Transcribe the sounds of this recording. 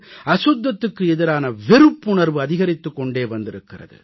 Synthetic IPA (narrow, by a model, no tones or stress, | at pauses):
ʔɐsʊd̪ːɐt̪ːɯkːɯɛðɪɾaːnɐʋɛɾɯpːʊɳɐɾʋɯɐðɪɣɐɾɪt̪ːɯkːɔɳɖeːʋɐnd̪ɪɾɯkːɪrɐ̰ðɯ̰